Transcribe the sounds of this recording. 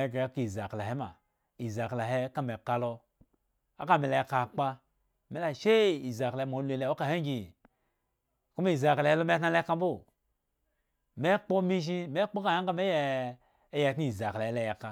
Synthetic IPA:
e˨˦ke˨a˦ki˨za˨kla˨he˦ma̰˨ | i˨za˨kla˨ɦe˦ka˦me˨ka˦lo˦ | a˦ka˦me˨le˨je˨ka˨k͡pa˦ | me˨˦la˨ʃe˦i˨za˨ka˨˦mo˨˦lu˦e˨le˦˨o˦ka˨he˦ɡi˨ | ku˦m˦i˨za˨kla˨je˦lo˦m˦e˦tna˦le˦ka˦bo˦˨ | me˦k͡po˦mi˦ʃ̬i˦me˦k͡po˦ka˨ja˦ŋ˦ka˦me˦je˦ | je˨tn˦i˨za˨kla˨je˦le˦˨je˨ka˨

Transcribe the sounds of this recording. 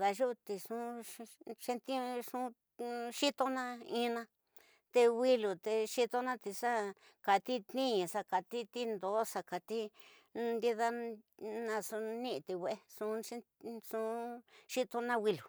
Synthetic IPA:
ða˧ʒu˦˧t̪i˧ʂũ˦ | t͡ʃe˧nt̪i˦ʂũ˦ | ʂi˦t̪o˧nã˦ĩ˦˧nã˧ | t̪e˧wi˦lu˨t̪e˧ʃi˦t̪o˧nã˦t̪i˧sa˦ | ka˨t̪i˦t̪nĩ˦˧ɲã˨sa˧ka˨t̪i˦t̪i˦nd̪o˨˦sa˧ka˨t̪i˦ | nd̪i˦ða˦nã˧su˧nĩ˦ʔt̪i˧we˧e˦˧sũ˧˦i˦ | ʂũ˧˦ʂi˦t̪o˧nã˦wi˧lu˨

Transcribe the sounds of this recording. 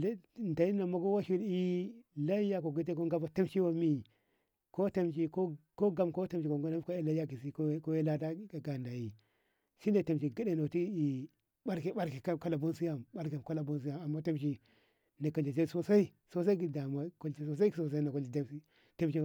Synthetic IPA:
nda˨ji˦na˨ma˨˦ɡo˦wa˦ʃi˦ɾi˦la˦ja˦ko˨ɡi˦t̬e˦ko˦ŋɡa˦ba˦ta˦mʃi˦wa˨mi˦ | ko˦ta˦mʃi˨ko˦ko˦ɡa˦mko˦ta˦mʃi˨ko˨ŋɡo˦na˦ko˦e˦la˦ja˦ki˨si˦kko˦je˦la˦da˦a˨ɡa˨nda˨ji˨ | si˦na˨ta˨mʃi˨ɡi˦de˨no˨ti˦i˨ | ɓa˦ɾki˨ɓa˦ɾki˨ka˦ka˦la˨bo˦nsi˦ja˨mɓa˦ɾki˨m˨ka˦la˨bo˦ns̬i˦ja˦˨a˨mːa˦ta˦mʃ̬i˨ | na˨ka˨d͡ʒa˨t͡ʃe˦˨so˦sa˦i˦ | so˦s̬a˦i˦ɡi˨da˨ma˨ko˦lt͡ʃi˦so˦s̬a˦i˦i˦so˨s̬a˦i˦na˨ko˦la˦si˦ | ta˦mʃi˦˨

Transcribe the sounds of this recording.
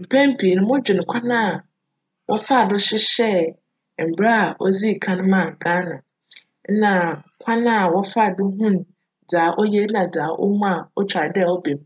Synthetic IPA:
m̩˨pʰɛ̃˦m̩˦pʰi˨nʊ̃˦mʊ̃˦d͡ʑᶣɪ˨ñ˨kʷʰa˦nãː˦˨ | wʔɔ̰˦fa˦˨dʊ˦ɕɪ˦ɕɛ˦˨ | m̩˨bɾa˦a˨ɔ˦d͡zi˦˨kʰã˦nʊ̃˦mã˦˨ɡaː˦nã˨ | n̩˦nã˨kʷʰa˦nã˦˨wɔ˦fa˦˨dʊ˦ɦũ˦n˨ | d͡zaː˨˦ʔɔ˦jɛ˦nã˨d͡zaː˨˦ʔɔ̰˦mũ˦a˨ɔ˦t͡ɕʰᶣa˨dɛ˦˨ɔ˦be˨m˨

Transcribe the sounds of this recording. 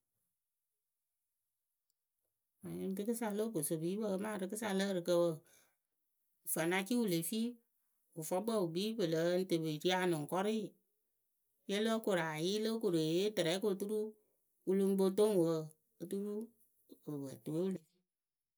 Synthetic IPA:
a˨ɲi˦n˦dɨ˦kɨ˦sa˧lo˦bo˨so˨bi˨˦bə˦˨˦maː˦˨ɾɨ˦kɨ˦sa˧lə˦ɾɨ˨kə˧wə˦˨ | fə˨na˧ki˦wu˦˨le˨fi˦ | u˨fɔ˦bə˦˨u˨biː˦bə˨lə˨˦n̩˦tə˨be˨ti˦a˧˨nɨ˨ŋ˨kɔ˦ɾɪ˦˨ | je˦lo˦ko˨ɾa˨ji˦lə˦ko˨ɾe˨e˦tɨ˨ɾɛ˨˦ko˦˨tu˦ɾu˦ | u˦lu˧m˦bo˧t̬o˦ŋ˨wə˦ | ə˦tu˦ɾu˦ | ə˨bə˨to˨e˦wu˦le˨˦

